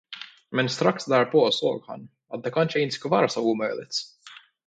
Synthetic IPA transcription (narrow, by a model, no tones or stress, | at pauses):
mɛnst̪ɾaksd̪æːɾpoːso̰ːɡha̰nː | at̪̚d̪ɛkʰanʃəɪnt̪skɵvɑːɾasɔumœlɪ̰t̪s